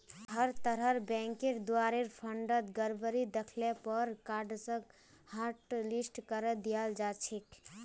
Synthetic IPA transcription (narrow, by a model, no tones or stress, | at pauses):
həɾt̪əɾəɾbɛ̃ŋkeɾd̪uwaɾeɾpʰəɳɖət̪ɡəɾbəɾid̪ekʰlepəɾkaɾɖsə̃k | haɾʈlisʈkəɾəd̪ijald͡ʒat͡ʃʰek